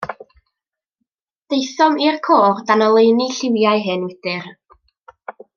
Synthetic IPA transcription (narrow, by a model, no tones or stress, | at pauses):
d̥ejθɔmirkʰoːrdanɔlˠejniɬɪwjaɨɦɨnɪd̥ɨr